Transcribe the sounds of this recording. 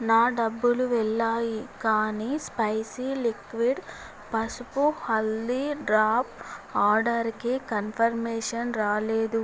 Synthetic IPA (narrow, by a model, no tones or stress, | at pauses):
naːɖɐbːuluʋɛɭːaːjikaːnispɐjsilikʋiɖ | pɐsupuhɐlːiɖɾaːpaːɾɖɐɾkekɐnpʰɐɾmɛːʂɐnɾaːleːd̪u